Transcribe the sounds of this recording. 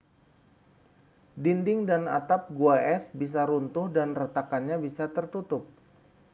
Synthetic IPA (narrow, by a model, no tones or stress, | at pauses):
dindɪŋdana̰t̪ap̚ɡuaʔɛsbis̬aɾunt̪ʊhdanrət̪akanɲabisat̪ərt̪ut̪ʊp̚